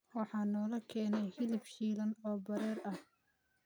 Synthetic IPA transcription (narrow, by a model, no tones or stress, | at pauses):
wɑħɑːnɔːlɐkʰɛːnɛjhɪlɪbʃiːlɐnɔːbɐɾɛːɾɐh